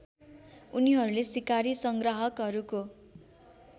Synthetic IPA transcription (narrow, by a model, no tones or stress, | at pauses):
uniɦʌɾulesikaɾisʌŋɡrʌɦʌkɦʌɾuko